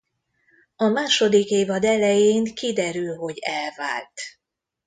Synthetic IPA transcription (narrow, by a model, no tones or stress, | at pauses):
ɒmaːʃo̞d̪ikeːvɒd̪ɛlɛjeːŋkid̪ɛɾylɦo̞ɟɛlva̰ːlt̪